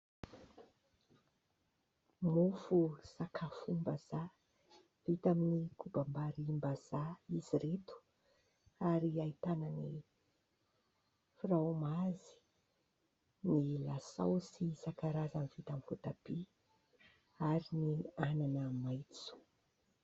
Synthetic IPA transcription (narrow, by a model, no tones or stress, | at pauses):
mufusakʰafumbəz̥a | vit̪aminikubambaɾimbaz̥aiziɾet̪u̥ | aɾiait̪anəni | firamazi̥ | nilasa̰wsisakaɾazamivit̪amifut̪ab̥i | aɾiniananəmajt͡su̥